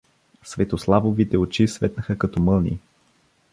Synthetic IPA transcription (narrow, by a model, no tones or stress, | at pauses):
svɛt̪oslˠavovit̪ɛot͡ʃisvɛt̪nəxəkɐt̪ɔmɤlˠnḭ